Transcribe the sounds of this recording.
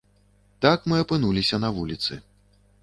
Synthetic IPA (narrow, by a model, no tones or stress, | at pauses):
t̪akmɨɐpɨnulʲisʲɐnɐvulʲit̪sɨ̰